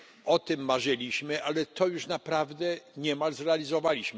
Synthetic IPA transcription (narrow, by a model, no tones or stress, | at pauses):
ɔt̪ɘmːaʐɘlʲiɕmɘʔalɛt̪ɔjuʂnapɾavd̪ɛɲɛmalzɾɛalʲizɔvalʲiɕm